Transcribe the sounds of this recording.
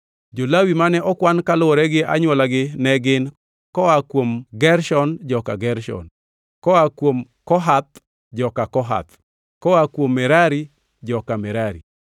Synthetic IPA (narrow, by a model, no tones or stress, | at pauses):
d͡ʒolawimanɛʔɔkwankalʊɔɾɛɡɪa̰ɲwɔlaɡɪnɛɡɪn | kɔakwomɡɛɾʃɔnd͡ʒɔkaɡɛɾʃɔ̰n | kɔakwom | kɔɦat̪ | d͡ʒɔkakɔɦa̰t̪̚ | kɔakwomːɛɾaɾi | d͡ʒɔkamɛɾaɾḭ